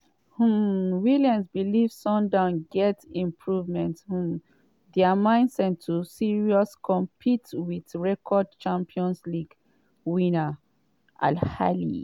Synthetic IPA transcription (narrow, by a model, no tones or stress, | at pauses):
huwiljãnsbilivsɔ̃ndãʊ̃nɡɛtĩmpʰɹuvmɛ̃nthũ | dɛamãɪ̃ndsɛ̃ntʰusiɹiɔskɔ̃mpʰitwidɹɛkʰɔd̚t͡ʃãmpiɔ̃nsliɡ | wĩna | ʔa̰lha̰lḭ